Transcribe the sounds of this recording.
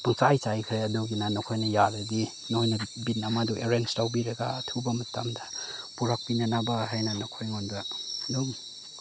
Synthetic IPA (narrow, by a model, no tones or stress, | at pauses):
paŋsajt͡ʃajkʰɾeaduɡinanɔkʰojnajaɾadi | nɔhojnabitnamaduʔeɾenstawbiɾaɡaːtʰɯwbamɐtamdapuɾak̚pinanabaɦajnanɔkʰojŋɔnbaduɡi